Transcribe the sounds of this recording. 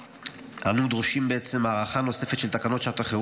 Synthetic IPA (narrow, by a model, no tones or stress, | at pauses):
ha̰nud̪ʁoʃimbeet͡se̞maːʁaχano̞se̞fet̪ʃelt̪akano̞t̪ʃat̪aχe